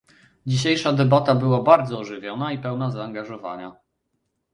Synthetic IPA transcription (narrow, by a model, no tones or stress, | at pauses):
d͡ʑiɕejʂad̪ɛbat̪abɘwabaɾd̪zɔːʐɘvʲjɔnaipɛwnazaːŋɡaʐɔva̰ɲa